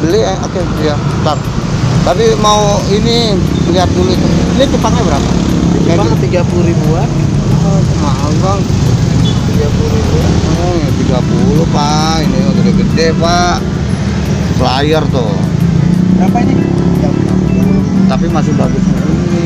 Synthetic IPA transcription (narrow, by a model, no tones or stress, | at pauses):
bəli | a̰kɛ | jat̪ap̚ | t̪apimauiniliat̪̚puluit̪unit̪ipat̪abəɾapa̰kajaat̪iɡapuluɾibuat̪ | at͡ʃəmaʔaɡaŋ | t̪iɡapuɾibia̰t̪ | jat̪iɡapuluhpa | ʔiniod̪odeɡədɛpaʔ | səlajərt̪u | bapaini | ɡauat̪apimasɪhbaɡʊsaini